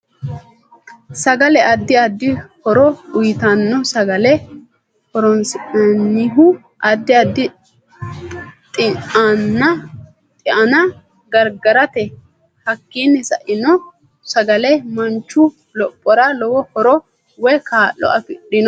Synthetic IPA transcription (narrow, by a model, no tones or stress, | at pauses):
sɐɡɐlɛʔɐd̪ːɪɐd̪ːɪhɔɾɔʊjt̪ɐnːɔsɐɡɐlɛ | hɔɾɔnsɪʔɐnːɪɦʊ | ʔɐd̪ːɪɐd̪ːɪ | t̪ʼɪŋʔanːɐ | t̪ʼɪʔɐnɐ | ɡɐɾɡɐɾɐt̪ɛ | hɐkːiːnːɛsɐʔɪnɔ | sɐɡɐlɛmɐnt͡ʃːʊ | lɔpʼːɔɾɐlɔwɔhɔɾɔ | wɛjkaːlːɔ̰ʔɐfɪɗɪnɔ